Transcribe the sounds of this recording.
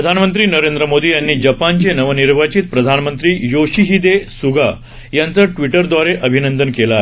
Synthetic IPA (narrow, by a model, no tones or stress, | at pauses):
ɾəd̪ʱanmənt̪ɾiːnəɾend̪ɾəmod̪iːjanːiːd͡ʑəpant͡ɕenəʋəniɾʋat͡ɕit̪pɾəd̪ʱanmənt̪ɾiːjoɕiɦid̪esuɡʱa | jant͡səːʈʋiʈəɾd̪ʋaɾeʔəbʱinənd̪ənkela